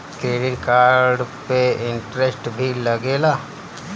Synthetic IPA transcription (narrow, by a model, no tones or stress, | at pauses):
keːɾɪʈkaːɾɖpeɪ̃ɳʈɾesʈbʱilɐɡeːlaː